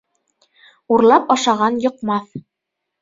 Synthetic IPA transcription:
uɾlˠɑpɑʃɑʁɑnjŏqmɑθ

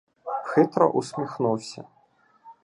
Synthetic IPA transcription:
xɪt̪ɾɔ̰ʔusʲmʲixnuwsʲɐ̰

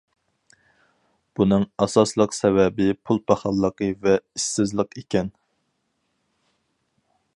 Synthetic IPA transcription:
b̥unɨŋɑsɑslˠəqsɛvɛbɪpʰulˠpʰɑχɑlˠːəqəvɛisːɪzlˠəqekʲɛn

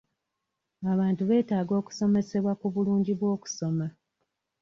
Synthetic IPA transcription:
aβaːntuβe̞ːtaːɡo̞ːku̥so̞me̞se̞βwakuβuluːɲɟiβwo̞ːku̥so̞ma

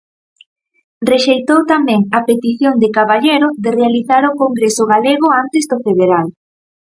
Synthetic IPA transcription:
reʃejt̪owt̪amɛ̃ŋapet̪iθjoŋd̪ekaβaʎeɾʊðerealiθaɾokoŋɡɾesʊɣaleɣ̞ʊant̪ezd̪ofeðeɾal

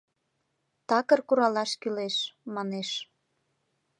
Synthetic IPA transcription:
t̪ɑkərkuɾɑlɑʃkyleʃmɑneʃ

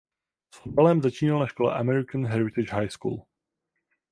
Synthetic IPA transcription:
sot̪ɛlɛmzat͡ʃiːnalnaʃkolɛ̰ʔamɛɾɪkanɦɛɾɪt̪ɪd͡ʒɦajskṵːl

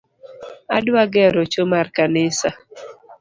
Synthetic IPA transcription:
adwaɡɛɾot͡ʃomarkanɪsa

